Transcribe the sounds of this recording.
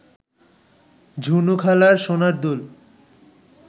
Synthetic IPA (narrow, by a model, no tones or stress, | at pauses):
d͡ʑʱunukʰalaɾʃonaɾd̪ul